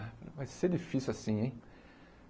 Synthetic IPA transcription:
vajsed͡ʒifisjuasĩẽj̃

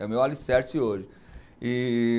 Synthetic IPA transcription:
ɛmewalisɛɾsioʒɪ | i

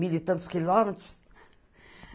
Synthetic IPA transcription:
ilit̪ɐ̃nt̪u̥skilɔmɛt̪ɾus

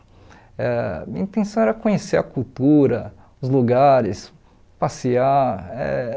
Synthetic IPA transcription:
ɛmĩɐĩt̪ẽsɐ̃w̃ɛɾɐkõɲeseɾɐkuwt̪uɾɐ | ʊzluɡaɾɪs | pasiaɛ̰

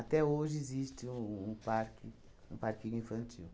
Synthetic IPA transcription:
at̪ɛoʒɪezist̪ɪũũpaɾkɪ | ũpaɾkĩɲʊĩfɐ̃nt͡ʃiw

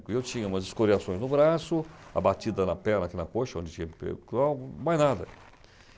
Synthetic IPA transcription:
kʊewt͡ʃĩɲɐũmɐzɪskoɾiasõj̃znʊbɾasʊa̰bat͡ʃid̪ɐnɐpɛɾnɐkinɐkoʃɐõd͡ʒɪt͡ʃĩɲɐpḛkawmajznad̪ɐ

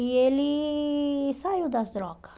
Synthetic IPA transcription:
jɛli | sajud̪asd̪ɾok

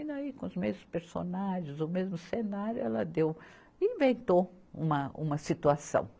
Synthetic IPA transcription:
naikõʊzmezmʊspeɾso̰naʒẽzʊmezmʊsenaɾjʊɛlɐ̰d̪ew | ĩvẽnt̪o | ṵ̃mɐṵ̃mɐsit̪uasɐ̰̃w̃

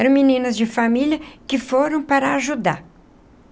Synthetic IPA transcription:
ɛɾɐ̃w̃minĩnɐzd͡ʒɪfamiʎɐkɪfoɾɐ̃w̃paɾɐːʒud̪a̰

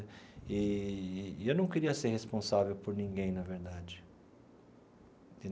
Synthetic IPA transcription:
ɪ | ewnɐ̃w̃keɾiɐseɾhespõsavewpoɾnĩŋɡẽj̃nɐveɾd̪ad͡ʒɪ | ɪ

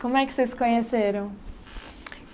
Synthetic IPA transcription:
kõmʊɛkɪ̥seskõɲeseɾɐ̃w̃

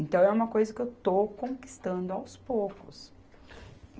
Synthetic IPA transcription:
ẽnt̪ɐ̃w̃ɛũmɐkojzɐkɪewt̪owkõki̥st̪ɐ̃nd̪ʊawspowkʊs

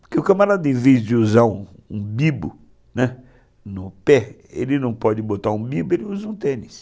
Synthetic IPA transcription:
poɾkeʊkɐmaɾad̪ʊẽvezd͡ʒɪuzaɾũũbibʊ | nɛ | nʊpɛ | ḛlɪnɐ̃w̃pɔd͡ʒɪbot̪aɾũbibʊelɪuzɐũt̪ẽnis

